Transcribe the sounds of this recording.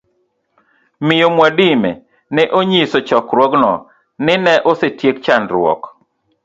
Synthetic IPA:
mɪjomwadɪmɛ̰ | nɛʔoɲisot͡ʃɔkɾwɔɡnɔ | nɪnɛʔosetjek̚t͡ʃanɾwɔ̰k

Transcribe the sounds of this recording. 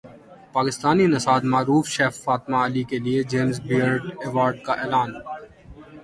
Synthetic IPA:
paːkɪst̪aːninɐsaːd̪maːɾuːfʃeːfːaːt̪maɐlikelied͡ʒeːmsbiəɾɖeːʋaːɾɖ̚kaʔeːlaːn

